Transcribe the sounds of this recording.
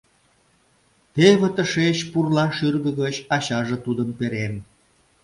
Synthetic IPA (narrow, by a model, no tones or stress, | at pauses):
t̪eβĕt̪əʃeɕpurlɑʃyrɣəɣət͡ɕɑɕɑʒĕt̪ud̪əmpeɾem